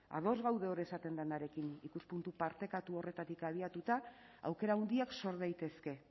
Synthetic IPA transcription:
a̰ð̞o̞zɣawðe̞oɾesat̪e̞nd̪anaɾe̞kinikuspunt̪upaɾt̪e̞kat̪uo̞re̞t̪at̪ikaβiat̪ut̪a | a̰wke̞ɾaund̪iakso̞ɾðajt̪e̞ske̞

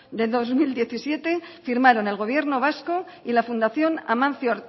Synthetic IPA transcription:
d̪e̞ðozmild̪je̞θisje̞t̪e̞fiɾmaɾo̞ne̞lɣ̞o̞β̞je̞ɾnoβ̞asko | ilafund̪aθjo̞na̰mãnθjoɾ

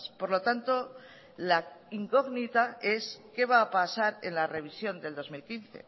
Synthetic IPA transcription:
spo̞ɾlo̞t̪ant̪o̞ | laiŋko̞ɣnit̪ae̞ske̞βaːpasaɾe̞̰nlare̞β̞isjo̞nd̪e̞ld̪o̞zmilkinθe̞̰

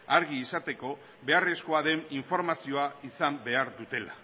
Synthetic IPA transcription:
aɾɣiːsat̪e̞ko̞ | βe̞are̞sko̞aðe̞niɱfo̞ɾmasio̞aisambe̞aɾðut̪e̞la

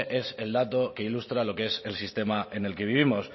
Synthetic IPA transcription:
ʔe̞se̞ld̪at̪o̞ke̞ilust̪ɾalo̞kee̞se̞lsist̪e̞maʔe̞ne̞lke̞β̞iβ̞imo̞s

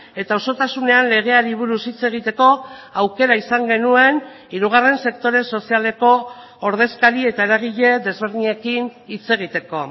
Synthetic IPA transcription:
e̞t̪aoso̞t̪asune̞anle̞ɣ̞e̞aɾiβ̞uɾusit͡se̞ɣ̞it̪e̞ko̞awke̞ɾaisaŋɡe̞nue̞n | iɾuɣ̞are̞nse̞kt̪o̞ɾe̞so̞siale̞ko̞ː | ɾð̞e̞skaɾie̞t̪aeɾaɣ̞iʎe̞ðe̞zβe̞ɾðiɲe̞kinit͡se̞ɣ̞it̪e̞ko̞

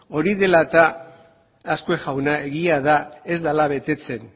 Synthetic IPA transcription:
o̞ɾiðe̞lat̪aː | skoeʝawnae̞ɣiaðae̞zd̪alaβe̞t̪e̞t͡se̞n

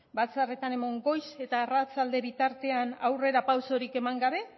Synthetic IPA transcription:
bat͡sare̞t̪ane̞mo̞ŋɡo̞jse̞t̪aerat͡sald̪e̞βit̪aɾt̪e̞anawre̞ɾapawso̞ɾike̞maŋɡaβe̞

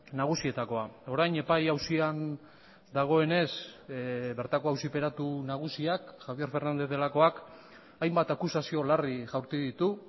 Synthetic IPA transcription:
naɣ̞usie̞t̪ako̞ao̞ɾajɲe̞pajawsian | d̪aɣ̞o̞e̞ne̞s | βe̞ɾt̪ako̞awsipe̞ɾat̪unaɣ̞usiakːʝaβije̞ɾfe̞ɾnand̪e̞ðe̞lako̞ak | ajmbat̪akusasio̞lariʝawɾt̪uðit̪u

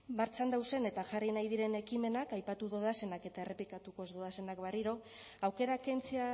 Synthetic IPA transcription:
baɾt͡sand̪awse̞ne̞t̪aʝarinajðiɾe̞ne̞kime̞nakajpat̪uðo̞ðase̞nake̞t̪ae̞rʔe̞plikat̪uko̞ezd̪o̞ðase̞nakbariɾo̞ | awke̞ɾakent͡sea

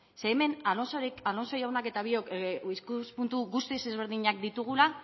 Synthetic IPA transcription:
se̞ːme̞nalonsoɾialo̞nso̞jawnake̞t̪aβio̞kiskuspunt̪uɣust̪ise̞zβ̞e̞ɾðiɲakd̪it̪uɣ̞ula

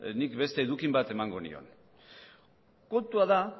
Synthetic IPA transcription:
nikbe̞st̪e̞ːðukimbat̪e̞maŋɡo̞nḭo̞̰n | kont̪uaða

